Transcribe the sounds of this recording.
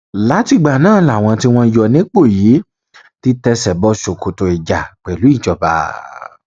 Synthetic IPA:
la˨˦ti˧ɡ͡ba˨nãː˦˨˦la˨w̃ɔ̃˧ti˦w̃ɔ̃˧jɔ˧nĩ˦k͡po˦˨ji˨˦ | ti˦tɛ˧sɛ˨bɔ˧ʃo˨ko˨to˧i˨d͡ʒa˨k͡pɛ˨lu˨˦i˦˨d͡ʒɔ˨ba̰˧

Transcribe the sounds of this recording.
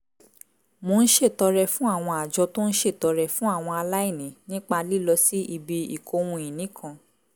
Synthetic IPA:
mo˧ñ̩˦ʃe˦˨tɔ˧ɾɛ˧fũ˦a˦˨w̃ɔ̃˧a˨d͡ʒɔ˧to˦ñ̩˦ʃe˦˨tɔ˨˧ɾɛ˧fũ˦a˦˨w̃ɔ̃˧a˧la˦i˦˨nĩ˨˦nĩ˦k͡pa˧li˦lɔ˧si˦ʔi˧bi˧i˨kʰo˧w̃ũ˧ĩ˨nĩ˨˦kʰã˧

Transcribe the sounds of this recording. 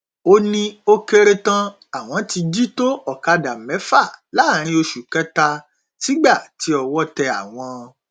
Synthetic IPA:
o˧nĩ˦o˧ke˧ɾe˧tã˧ | a˨w̃ɔ̃˧ti˧d͡ʒi˦to˦ɔ˨ka˧da˨mɛ̃˨˦fa˦˨la˨˦˨ɾ̃ĩ˧o˧ʃu˨kɛ˨˦ta˧ | ti˦ɡ͡ba˦˨ti˦ɔ˧wɔ˦tɛ˧a˨w̃ɔ̃˧

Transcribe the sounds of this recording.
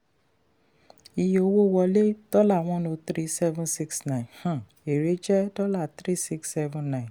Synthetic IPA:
i˨jo˧wo˦wɔ˧le˦d̥ɔ˦la˦˨w̃ɔ̃˦nõ˧t̪ɾi˦sɛ˦vũ˦nsi˦ksnã˦˨ĩ˨hã˦˨ | e˨ɾe˨˦d͡ʒɛ˦dɔ˦la˦˨t̪ɾi˦si˦ksɛ˦vũ˧nã˦˨

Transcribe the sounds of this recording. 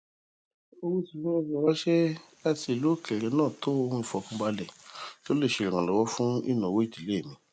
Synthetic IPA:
o˧wu˦su˨fũ˦o˧˨fɔ˨wa˦ʃɛ˦ | a˦˧ti˧˦e˨lu˨˦˨kɛ˨ɾɛ˧˦nãː˦˨to˦o˧ũ˧i˨fɔ˨˦kũ˦ɡ͡ba˧lɛ˨to˦le˦˨ʃe˨ɾɛ̃˨kã˨lɔ˨˦wɔ˦fũ˦ḭ˦˨nã˨wo˦i˦˨ti˨le˦e˦˨mĩ˧

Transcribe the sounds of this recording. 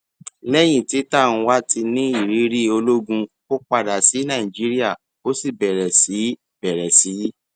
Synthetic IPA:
lɛ˦j̃ĩ˦˨ti˨˦tã˦˨ũ˧wa˦ti˧nĩ˦i˦˨ɾi˨˦ɾi˦o˧lo˦ɡũ˧ | o˦k͡pa˦da˨si˨˦nã˦˨i˨d͡ʒi˨˦ɾi˦a˦˨ | o˦si˦˨bɛ˨ɾɛ˨si˨˦ | bɛ˨ɾɛ˨si˨˦

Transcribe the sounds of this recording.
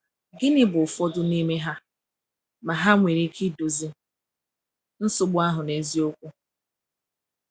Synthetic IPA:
ɡɪ˦nɪ˦bʊ˨fɔ˦dʊ˦ni˦me˦ɦa˦ | ma˨ɦa˦ŋʷe˨ɾi˦kʰɪ˦do˨zi˦ | n̩˦sʊ˦ɡ͡bʊ˦a˦ɦʊ˨ne˨zi˦o˦kʷu˦

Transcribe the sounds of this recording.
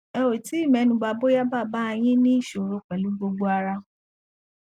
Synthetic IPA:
ɛ˧wo˨ti˦i˦˨mɛ̃˧˦nũ˨˦ɡ͡ba˧bo˦ja˦ba˦˨ba˦ɛ˧j̃ĩ˦nĩ˦i˦˨ʃo˨ɾo˨˦k͡pɛ˨lu˨˦ɡ͡bo˧ɡ͡bo˦a˧ɾa˧

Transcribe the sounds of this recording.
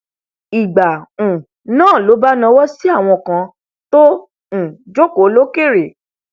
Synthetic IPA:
i˨ɡ͡ba˨ũ˨ | nãː˦˨lo˨˦ba˦nã˧wɔ˦si˦a˦˨w̃ɔ̃˧˨kã˧ | tõ˦˨ | d͡ʒo˦ko˨˦lo˦ke˦˨ɾe˨

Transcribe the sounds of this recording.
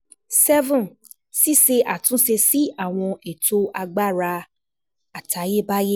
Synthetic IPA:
sɛ˦vɔ̃˨n | si˦se˧ʔa˨tũ˦se˧si˦a˦˨w̃ɔ̃˧e˨to˦a˧ɡ͡ba˦˨ɾa˧ | a˨tʰa˨˦je˦˨ba˦je˦

